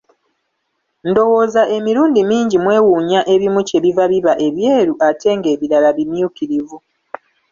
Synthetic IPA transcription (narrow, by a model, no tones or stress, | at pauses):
ndo̞wo̞zaʔe̞miɾuːndimiːɲɟimwe̞ːwuːɲaʔe̞βimuce̞βivaβiβaʔe̞βjeːɾuʔate̞ːŋɡe̞ːβiɾalaβimjukiɾivu